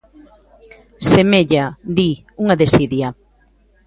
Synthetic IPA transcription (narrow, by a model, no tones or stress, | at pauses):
semeʎad̪i | uŋaðesiðja